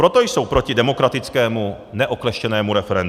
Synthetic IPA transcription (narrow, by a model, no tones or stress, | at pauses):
ɾo̞t̪o̞jso̞wpɾo̞cɪdɛmo̞kɾat̪ɪt͡skɛːmu | nɛʔoklɛʃcɛnɛːmuɾɛfɛɾɛnd